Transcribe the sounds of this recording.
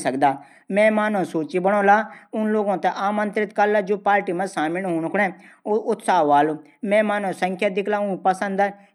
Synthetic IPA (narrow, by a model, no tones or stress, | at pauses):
səkd̪aː | mɛ̃ːmaːnõːsuːt͡ʃiːbəɽ̃õːlaːʊnloːɡãːt̪ẽʔaːmə̃nt̪ɾɪt̪kəɾlaːd͡ʒoːpaːɾʈiːmə̃d͡ʒsaːmɪnɦoːɳkʰʊɽɛ̃ːʊt̪saːʋaːloː | mɛ̃ːmaːnõːsəŋkʰjaːd̪ɪkʰlaːʊnpəsə̃nd̪a